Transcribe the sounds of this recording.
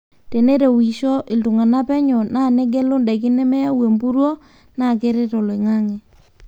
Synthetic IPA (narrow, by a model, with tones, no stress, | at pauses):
te˨ne˦ɾe˨wi˨ʃɔ˦ʔɪ˨ltu˨ŋa˨na˦pɛ˦ɲɔ˨na˦˨ne˦ɡe˦lo˦nda˨kɪ˦nɛ˦mɛ˦ja˦we˨mbu˦ɾwo˦ | na˦˨ke˦ɾe˦tɔ˨le˨ŋa˦ŋɛ˨